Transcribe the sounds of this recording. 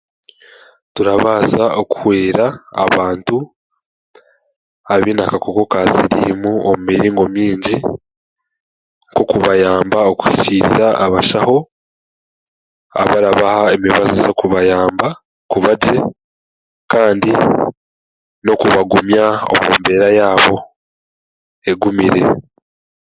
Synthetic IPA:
tuɾaβaːzaoku̥hweːɾa̰ːβaːntu | aβinakakoko̞kaziɾḭmuomumiɾiːŋɡo̞miːɲɟi | ŋko̞kuβajaːmbaoku̥hi̥ciɾḭɾaʔːβaʃaho̞ | a̰βaɾaβahaemiβazizo̞kuβajaːmba | kuβaɟe | kaːndi | no̞kuβaɡumjao̰muːmbe̞ɾajaːβo̞ | e̞ɡumiɾe̞

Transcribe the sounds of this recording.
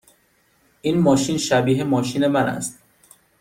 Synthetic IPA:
ʔiːnmɒːʃiːnʃæbiːɦemɒːʃiːne̞mænæ̰st̪̚

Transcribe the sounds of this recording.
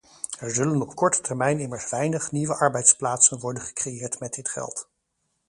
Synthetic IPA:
ɛɹzɵlənɔpkɔɹtə̥tɛɹmɛjnɪməɹsʋɛjnəχniʋəʔɑɹbɛjtsplaːtsənʋɔɹdənχə̥krejɪːɹtmɛd̚dɪtχɛ̰lˠt

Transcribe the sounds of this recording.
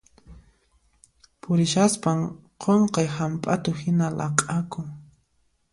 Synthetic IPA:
pʊɾɪʃaspaŋqʰoɴqɑjhampʼat̪ʊhɪnalʔɑqʼakʊŋ

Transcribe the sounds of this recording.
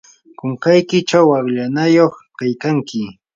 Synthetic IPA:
kʊŋkajkɪt͡ʃawaɢʎanajoχkajkaŋkɪ

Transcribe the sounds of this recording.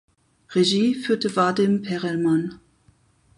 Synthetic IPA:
ʁeʒiːfyːɐtəvadɪmpʰɛʁɛlman

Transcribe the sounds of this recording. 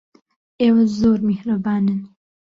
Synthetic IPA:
eːwɐzoːɾmehɾɐbaːnɨn

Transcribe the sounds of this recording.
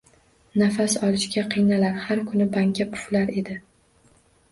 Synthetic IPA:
nafasɒlˠɪʃkʲaqʰɨjnalaɾhaɾkʰʊnɪbaŋkʲʰapʰʊ̥flaɾe̞d̪ɪ

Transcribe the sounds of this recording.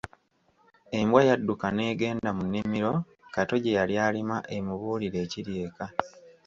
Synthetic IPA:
e̞mbwajadːukane̞ːɡe̞ːndamunːimiɾo̞ | kato̞ɟejaljaːlimaʔe̞muβuːliɾe̞ːciɾje̞ːka

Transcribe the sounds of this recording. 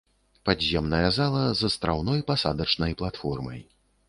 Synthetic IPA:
padʲzʲɛmnɐjɐzalˠɐzɐst̪ɾawn̪ɔjpasad̪ɐt͡ʂnɐjplˠat̪fɔrmɐ̰j

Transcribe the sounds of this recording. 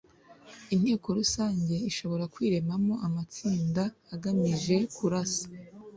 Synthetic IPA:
in̥he̞ːko̞ɾusaːɲɟe̞iʃo̞βo̞ɾakwiːɾe̞mamo̞ʔamat͡siːndaːɡamiʒe̞kuɾasḁ

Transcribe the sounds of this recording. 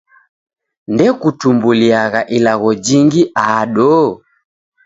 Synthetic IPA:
ndɛkutumbuliaɣaʔilaɣɔd͡ʒiŋɡiʔaːɗɔː

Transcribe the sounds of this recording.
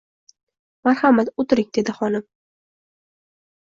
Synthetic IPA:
maɾhamat̪ot̪ɪɾɪŋʲd̪e̞d̪ɪχɒnɪm

